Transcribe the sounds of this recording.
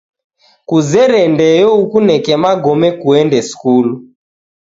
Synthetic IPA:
kuzɛɾɛndɛjɔukunɛkɛmaɡɔmɛkuɛndɛskulu

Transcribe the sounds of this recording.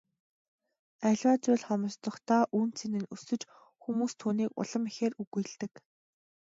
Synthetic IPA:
æɮwaːt͡sʊːɮχɔmɞ̆st̪ɞ̆χt̪aːʔuːnt͡sʰenɘ̆nusɵ̆t͡ɕ | xumuːst̪ʰuːniːkʊ̰ɮə̆mixeːɾuɣuj̆ɮt̪ɘ̆k

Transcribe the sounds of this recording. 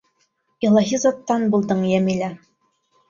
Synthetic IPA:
ilˠɑɦizɑt̪ːɑnbulˠd̪ɤɴjæmilæ

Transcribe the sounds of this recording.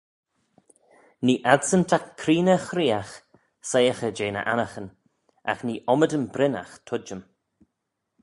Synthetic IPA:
niːʔadsəntʰakʰːɾiːnəxɾiːax | sejəxəd͡ʒeːnə̰ʔa̰naxən | a̰xniːʔɔmədəmbɾɪna̰xt̪ʰʊd͡ʒəm

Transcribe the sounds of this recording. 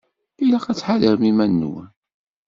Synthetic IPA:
ilaqæt͡sːħaðəɾmimænːṵwæ̰

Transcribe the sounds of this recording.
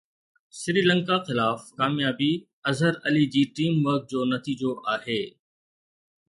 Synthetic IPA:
ʃɪɾiːlə̃ŋkaxɪlaːfkaːmjaːbi | ɐzəɾɐlid͡ʑiːʈiːmʋəɾk̚d͡ʑoːnɐt̪iːd͡ʑoʔaːheː

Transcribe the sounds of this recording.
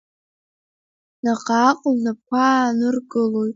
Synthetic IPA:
naqʼaqʼlnapkʷʰanɨrɡɨlojtʼ

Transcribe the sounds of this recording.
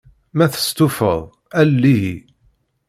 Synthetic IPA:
mæθə̥st̪ufə̰ðˤ | ælːiɦi

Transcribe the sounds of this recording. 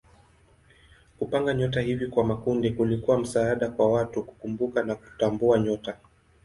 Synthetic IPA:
kupaŋɡaɲɔt̬ahivikwamakundikulikuwam̩saaɗakwawatuku̥kumbukanaku̥tambuaɲɔta

